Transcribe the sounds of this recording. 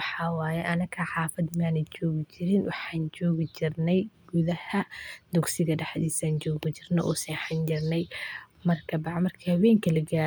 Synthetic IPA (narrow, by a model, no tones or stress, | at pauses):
ħɑːwaːjɛʔɐnɐkʰɐħɑːfɐd̪maːnɛt͡ʃɔːɣɪt͡ʃɪɾɪnwɑħɑːnt͡ʃɔːɣɪt͡ʃɪrnɛjɡʊðɐhɐd̪ʊɡsɪɣɐɖɑħd̪iːsaːnt͡ʃɔːɣɪt͡ʃɪrnɔʔɔːsɐħɑnd͡ʒɪrnɛj | mɐrkʰɐbɑʕmɐrkʰihɐβɛːŋkʰɐlɐɡaː